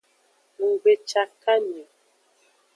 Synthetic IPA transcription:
ŋu˨ɡ͡be˨t͡ʃa˨ka˦ne˨

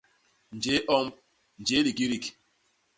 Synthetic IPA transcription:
n̩˨d͡ʒe˦ʔɔ˦m˦ | n̩˨d͡ʒe˦li˨ki˦ɾi˦˨k

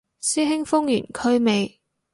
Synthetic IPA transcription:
siː˥ɦɪ˥ŋfʊ˥ŋjy̰ː˨˩nkʰɵ˥ɥme˨˧j

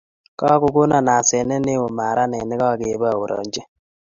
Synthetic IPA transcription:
kɔ˦kʊ˦kʊ˦na˨na˨sɛ˨nɛ˦ne˦wo˨ma˨ɾa˦nɛ˨nɪ˦kɔ˦˨ke˨˦bɔ˦a˨wo˨ɾɔ̰˨ɲd͡ʒe˦

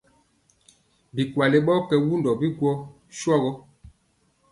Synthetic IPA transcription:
bi˨kwa˨le˨˦ɓɔ˦kɛ˨wu˦ndɔ˨bi˦ɡwɔ˦ | ʃwɔ˦ɣɔ˦

